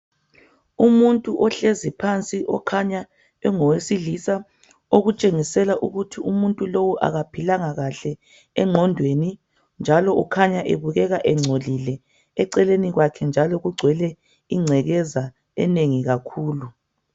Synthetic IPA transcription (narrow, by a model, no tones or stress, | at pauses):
umuntʼuʔɔɬezipʰant͡sʼiʔɔkʰaɲa | ɛŋɔwesilisa | oɣut͡ʃʼeŋisɛlaʔuɣutʰiumuntʼulowuʔa̰ɣapʰilaŋaɣaɬɛ | ɛŋ͡ǁʱɔndʱweni | nd͡ʒʱalɔʔukʰaɲaʔeβuɣɛɣaʔɛŋ͡ǀʱolilɛ | ɛǀɛleniɣwakʰɛnd͡ʒʱalɔɣuɡ͡ǀʱwɛlɛ | iŋ͡ǀʱɛɣɛza | ɛ̰neŋiɣakʰuːlu